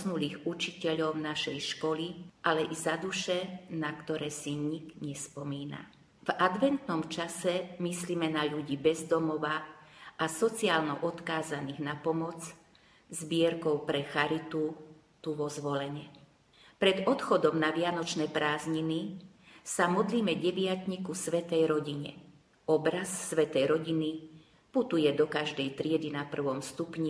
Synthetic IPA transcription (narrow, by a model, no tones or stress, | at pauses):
znuliːɣut͡ʃicɛʎɔʊnaʃɛjʃkɔliʔalɛʔizad̪uʃɛnakt̪ɔɾɛːsiɲiɡɲɛspɔmiːna̰ | vad̪ʋɛnt̪nɔmt͡ʃasɛmisliːmɛnaʎuɟiːbɛzd̪ɔmɔʋaʔasɔt͡siaːlnɔʔɔt̪kaːzaniːɣnapɔmɔt͡s | zbɪɛɾkɔʊpɾɛxaɾit̪u | t̪uʋɔzʋɔlɛɲɛ | pɾɛd̪ɔt̪xɔd̪ɔmnaʋɪanɔt͡ʃnɛːpɾaːzɲini | samɔd̪liːmɛɟɛʋɪat̪ɲikusʋɛt̪ɛjɾɔɟiɲɛ̰ | ɔbɾasːʋɛt̪ɛjɾɔɟini | put̪ujɛd̪ɔkaʒd̪ɛjt̪ɾɪɛd̪inapr̩ʋɔmst̪upɲi